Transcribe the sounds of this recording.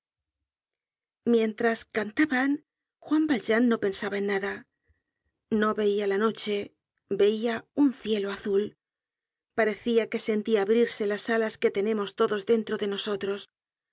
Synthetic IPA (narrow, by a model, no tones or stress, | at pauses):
mje̞nt̪ɾaskant̪aβan | xwambalʝanːo̞pe̞nsaβaenːaða | no̞βe̞ialano̞t͡ʃe̞ | be̞iaunθje̞loaθul | paɾe̞θiake̞se̞nt̪iaːβɾiɾse̞lasalaske̞t̪e̞nẽ̞mo̞st̪o̞ðo̞zðe̞nt̪ɾo̞ðe̞no̞so̞t̪ɾo̞s